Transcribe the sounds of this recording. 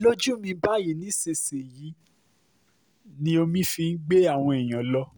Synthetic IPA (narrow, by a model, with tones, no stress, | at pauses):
lo˦d͡ʒũ˦mĩ˧˦ba˦˨ji˨˦nĩ˨˦se˧se˨ji˨˦ | nĩ˧˦o˧mĩ˦fi˧n̩˦ɡ͡be˦a˦˨w̃ɔ̃˧e˨j̃ã˨˦lɔ˦